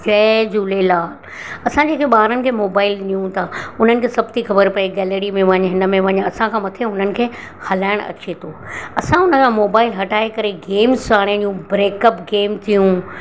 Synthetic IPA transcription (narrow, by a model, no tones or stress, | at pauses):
d͡ʑɛːd͡ʑuːlelaːl | ɐsãd͡ʑeːkʰeɓaːɾənɪ̆kʰeːmoːbaːɪlnijũt̪ʰaʊn̤ənɪ̆kʰeːsɐbt̪ixɐbəɾpɐeɡɛːləɾimẽʋɐ̃ɲɦɪnəmẽʋɐ̃ɦɲɐsãkʰãːmɐt̪ʰeʊn̤ənɪ̆kʰeː | hɐlaːɪɽ̃ɐ̰t͡ɕet̪ʰoːɐsãʊnəkʰãmoːbaːɪlɦɐʈaːekɐɾeɡeːmzsaːɽ̃ẽnjũbɾeːkəpɡeːmt̪ʰijũ